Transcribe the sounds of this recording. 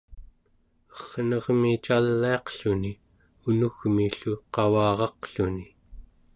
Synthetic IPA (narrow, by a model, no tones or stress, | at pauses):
ʌχnʌʁmit͡ʃalːiɑqɬuni | unuɣmiɬuqɑwɑːʁɑqɬuni